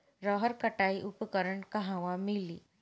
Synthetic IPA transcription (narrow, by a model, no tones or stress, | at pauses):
ɾəɦəɾkəʈaiʔupəkəɾəɳkaɦãʋamiliː